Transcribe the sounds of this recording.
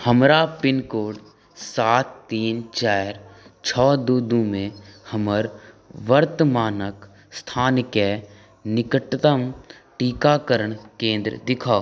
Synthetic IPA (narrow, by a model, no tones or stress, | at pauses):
həmɾapɪnkoːɖ | saːt̪ːiːnt͡ʃaːɾt͡ʃʰɔːd̪uːd̪ũmẽhəməɾ | ʋəɾt̪əmaːnək | st̪ʰaːnke | nɪkəʈt̪əm | ʈiːkakəɾəɳ̃kẽːnd̪ɾə̰d̪ɪkʰaː